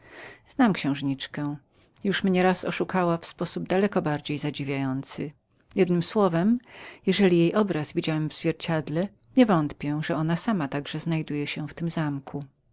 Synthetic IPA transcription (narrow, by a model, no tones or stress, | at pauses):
z̥namkɕɛ̃w̃ʐɲit͡ʂkɛ̃ | juʂmɲɛɾasɔ̰ʂukawafspɔsub̚d̪alɛkɔbaɾd͡ʑejzad͡ʑivʲjajɔnt̪sɘ | jɛd̪nɘmswɔvɛmjɛʐɛlʲijejʔɔbɾasvʲid͡ʑawɛmvz̥vʲjɛɾt͡ɕad̪lɛ | ɲɛvɔnt̪pʲjɛʐɛɔnasamat̪aɡʐɛznajd̪ujɛɕɛ̃ft̪ɘmzamkʰu